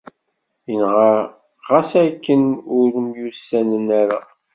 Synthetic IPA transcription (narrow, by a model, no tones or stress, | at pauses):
jənʁa | ʁæsækːənʊɾmjusænənæɾa̰